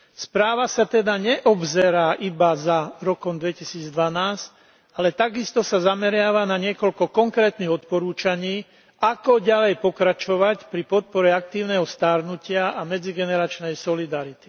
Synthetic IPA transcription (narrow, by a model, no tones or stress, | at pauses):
spɾaːʋasat̪ɛd̪aɲɛʔɔbzɛɾaːʔibazaɾɔkɔmd̪ʋɛcisiːd͡zd̪ʋanaːsc | alɛt̪aɡist̪ɔsazamɛɾɪaʋanaɲɪɛkɔʎkɔkɔŋkɾɛːt̪niɣɔt̪pɔɾuːt͡ʃaɲiː | akɔɟalɛjpɔkɾat͡ʃɔʋacpɾipɔt̪̚pɔɾɛak̚t̪iːʊnɛɦɔst̪aɾnucɪaʔamɛd͡ziɡɛnɛɾat͡ʃnɛjsɔlid̪aɾit̪i̥